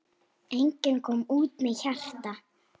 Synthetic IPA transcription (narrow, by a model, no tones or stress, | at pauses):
ejɲcɪnkʰɔːmuːt̪mɛðçar̥t̪a